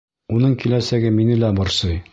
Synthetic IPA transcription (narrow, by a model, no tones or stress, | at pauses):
unɤɴkilæsæɡɘminɘlæbɒɾsɤj